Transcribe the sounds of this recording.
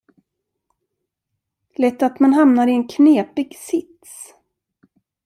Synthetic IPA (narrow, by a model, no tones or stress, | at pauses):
lɛt̪ːat̪manɦamnaɾɪɛnkʰneːpɪɡsɪt̪s